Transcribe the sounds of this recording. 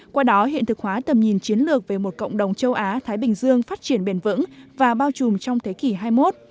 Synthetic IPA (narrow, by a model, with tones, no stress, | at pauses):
kwaː˧ɗɔ˨˦ɦḭ˧˨nt̪ʰɨ˨˩k̚hwaː˨˦t̪ə˨˩mɲi˨˩nt͡ɕi˨˦ənlɨ˨˩ək̚ve˨˩mo˨˩t̚kə̰˧˨wŋ͡mɗə˨˩wŋ͡mt͡ɕə˧wʔaː˨˦t̪ʰaː˨˦jɓï˨˩ŋ̟zɨ˧əŋfaː˦˥t̚t͡ɕi˧˩ənɓe˧˩nvɨ̰˧˥ŋvaː˨˩ɓaː˧wt͡ɕu˨˩mt͡ɕɔ˧wŋ͡mt̪ʰe˨˦ki˧˩ɦaː˧jmo˦˥t̚